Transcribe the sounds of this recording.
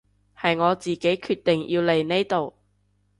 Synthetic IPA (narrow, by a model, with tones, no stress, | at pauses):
hɐ˨jŋɔː˨˧t͡siː˨ke˨˥jkʰyː˧t̪ːe˨ŋji˧wle˨˩jne˥jt̪o˨w